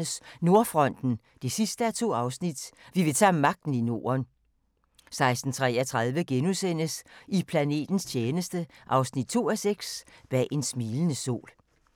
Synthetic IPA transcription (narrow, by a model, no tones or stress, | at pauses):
əsno̝ɐfʁɒ̽n̰d̥n̩ | d̥esisd̥əæt͡sʰo̝̰ːɑ̈ʊsnid̥ʋiʋe̝t͡sʰæ̰mɑ̈ɡ̥̚d̥n̩ino̝̰ːɐn | sɑ̈ɪsd̥n̩t͡sʰʁɛɐt͡sʰʁɑðˠʋəɡ̥enusen̰əsipʰlæne̝̰ːd̥n̩st͡ɕʰeːnəsd̥əʔɑ̈ʊsnid̥̚t͡sʰo̝̰ːæseɡ̥sb̥ɛ̰ːʔe̝nsmiːlənəso̝̰ːl